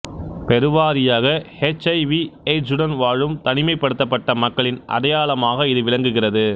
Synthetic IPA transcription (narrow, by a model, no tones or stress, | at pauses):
pɛɾɯʋaːɾɪjaːɣɐhet͡ʃɐɪʋiɛd͡ʒʊɽɐnʋaːɻɯmt̪ɐnɪmɐɪpːɐɽɯt̪ːɐpːɐʈːɐmɐkːɐɭɪnʔɐ̰ɽɐjaːɭɐmaːɣɐɪðɯʋɪɭɐŋɡɯɣɪrɐðɯ